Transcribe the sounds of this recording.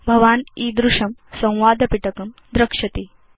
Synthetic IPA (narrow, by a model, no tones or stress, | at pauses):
bʱɐʋaːniːd̪ɾuʂɐmsɐ̃w̃ʋaːd̪ɐpiʈɐkɐmd̪ɾɐkʂɐt̪iː